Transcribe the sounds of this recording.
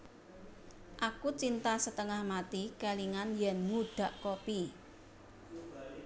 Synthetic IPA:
ʔakut͡ʃint̪asət̪əŋahmat̪ikaliŋanjɛnmuɖ̪̥ä̤ʔkopi

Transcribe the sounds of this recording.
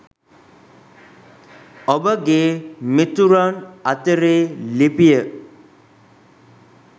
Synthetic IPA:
obəɡeːmit̪uɾanat̪əɾeːlipijə

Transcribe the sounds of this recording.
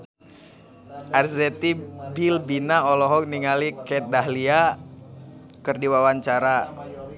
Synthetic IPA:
ʔarzɛt̪ibilbinaɔlɔɦɔk̚niŋalikɛt̪̚daɦlia | kɨrdiwawaɲt͡ʃaɾa

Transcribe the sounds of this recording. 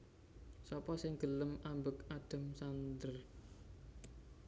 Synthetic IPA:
sɔpɔsɪŋɡ̥ə̤ləmʔambʊkad̥ə̤msand̪ər

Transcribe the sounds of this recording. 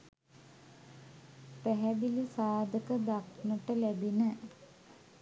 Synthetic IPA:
pæɦæbilisaːd̪ʱəkəd̪ak̚ʰnəʈəlæbinə

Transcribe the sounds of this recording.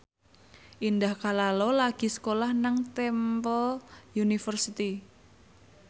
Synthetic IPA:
ʔindahkalalɔlaɡ̥i̤sə̥kolahnaŋt̪ɛmpəljunifərsit̪i

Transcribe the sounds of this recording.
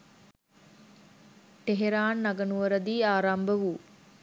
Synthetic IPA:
ʈeɦeɾaːnːaɡɐnuʋəɾəd̪iːaːɾambəʋuː

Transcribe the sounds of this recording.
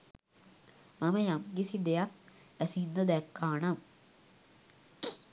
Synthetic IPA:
mɐmɐjamɡisid̪ejak̚ | ɐsind̪ɐd̪ekːaːɳam

